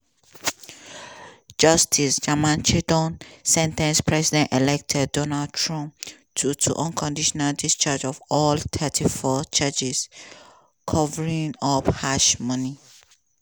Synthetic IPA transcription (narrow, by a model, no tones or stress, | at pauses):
d͡ʒʌstʰisd͡ʒamãnt͡ʃʰidɔ̃nsɛ̃ntɛ̃nspʰɹɛsidɛ̃ntelɛk̚tʰɛdɔnaldtʰɹɔ̃mp | tʰutʰṵʔɔ̃nkʰɔ̃ndiʃɔnaldist͡ʃad͡ʒɔvɔlt̪ʰɛtʰifɔt͡ʃad͡ʒis | kʰɔvəɹĩŋɔphaʃmʌni